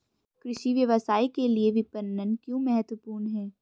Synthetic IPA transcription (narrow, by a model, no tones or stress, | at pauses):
kɾɪʃiʋjɐʋəsaːikelieʋɪpənːənkjõmɛɦət̪ʋəpuːɾnɦɛː